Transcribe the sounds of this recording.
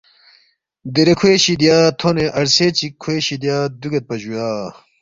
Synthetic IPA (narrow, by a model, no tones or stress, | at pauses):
d̪eɾekʰweɕid̪jaːt̪ʰoneʔɐɾset͡ɕikʰːweːɕid̪jaːd̪uɡet̪̚pɐd͡ʑujaː